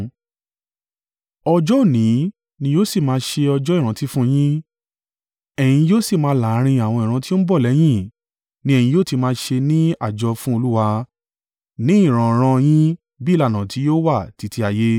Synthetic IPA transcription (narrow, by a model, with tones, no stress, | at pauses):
ɔ˧d͡ʒɔ˦˨nĩ˨˦ | nĩ˧joː˦si˦˨mãː˧ʃe˧ɔ˧d͡ʒɔ˦i˦˨ɾ̃ã˨˧˦ti˦fũ˦j̃ĩ˦ | ɛ˨j̃ĩ˧joː˦si˦˨mãː˧˦la˨˦ɾ̃ĩ˧a˨w̃ɔ̃˧i˨ɾ̃ã˧ti˦o˦ñ̩˦bɔ˦˨lɛ˨˦j̃ĩ˦ | nĩ˦ɛ̃˨ĩ˧joː˦ti˧mãː˧˦˧ʃe˧nĩ˦a̰˦˨d͡ʒɔ˧fũ˦o˧lu˦wa˧ | nĩ˨˦ĩ˦˨ɾ̃ã˨ɾ̃ã˧j̃ĩ˦ | bi˦˨la˦˨nã˨ti˨˦joː˦wa˦˨ti˨˧˦ti˧a˨je˦